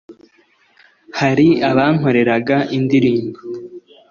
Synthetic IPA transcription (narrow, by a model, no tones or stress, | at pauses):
haɾiaβaŋ̥o̞ɾe̞ɾaɡaʔindiɾiːmɡo